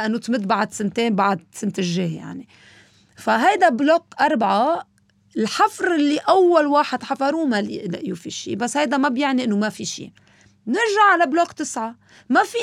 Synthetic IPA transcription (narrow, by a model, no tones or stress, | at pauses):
ʔanːot̪mɪd̪ːbaʕɪd̪sɪnt̪eːnbaʕad̪̚sɪnt̪ɪʒːeːja̰ʕni | faɦajd̪ablokʔɑɾˤbʕa | ɪlħafɾɪlːiʔawːalwaːħɪd̪ħafɑɾˤuːmalɪʔlɪʔjufḭʃḭːbasːhajd̪amabjaʕniʔɪnːomafiʃḭː | nɪɾʒaʕːalablokt̪ɪsʕa | mafi